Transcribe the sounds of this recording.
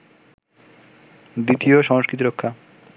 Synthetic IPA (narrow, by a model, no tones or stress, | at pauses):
d̪it̪ijoʃɔŋoʃkɾit̪iɾokʰːa